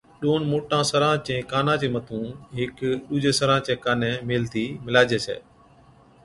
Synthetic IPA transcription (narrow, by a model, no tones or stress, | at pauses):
ɗoːnmoːʈãːsəɾãːt͡ʃẽːkaːnãːt͡ʃẽːmət̪ʰũːɦɪkɗuːd͡ʒeːsəɾãːt͡ʃẽːkaːnẽːmeːlt̪ʰiːmɪlaːd͡ʒeːsḛː